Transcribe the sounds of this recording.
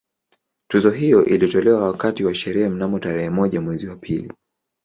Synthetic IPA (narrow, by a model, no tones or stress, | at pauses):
tuzɔɦijɔʔilitɔlɛwawakatiwaʃɛɾɛhɛm̩namɔtaɾɛhɛmɔʄamwɛziwapʰilḭ